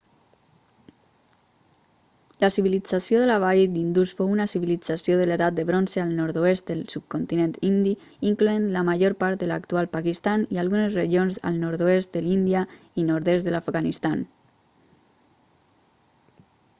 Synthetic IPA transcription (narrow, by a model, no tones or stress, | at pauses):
lasiβilid͡zasijoðəlaβad̪ind̪usfowunasiβilid͡zasjoðəleðat̪̚d̪əβɾonsealˠnɔɾt̪oest̪̚d̪əlsup̚kont̪inẽnt̪ind̪i | iŋkluenlamaʒoɾpaɾt̪̚d̪əla̰kt̪ualˠpakist̪anialɣunezreʒionza̰lˠnɔɾt̪oest̪̚d̪əlind̪ia | inoɾðest̪ðəlafɡanist̪an